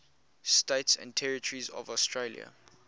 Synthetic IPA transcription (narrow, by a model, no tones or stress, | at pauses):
steɪtsɛ̰̃ntʰɛɹɪtʰəɹizɔ̰vɔstʰɹeljə̰